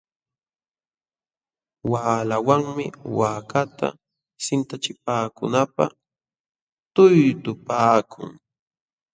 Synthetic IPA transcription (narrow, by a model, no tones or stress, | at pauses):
waːlawaŋmɪ̰waːkat̪a̰ | sɪnt̪at͡ʃɪpaːkʊ̰napa̰ | t̪ʊjt̪ʊpaːkʰʊ̰ŋ